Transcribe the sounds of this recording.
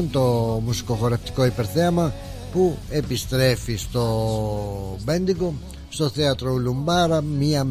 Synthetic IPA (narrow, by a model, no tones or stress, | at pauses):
nt̪omusi̥koxoɾept̪i̥koipeɾθɛama | puepist̪ɾɛfist̪o | bɛnd̪iɡo | st̪oθɛat̪ɾoulumbaɾamiam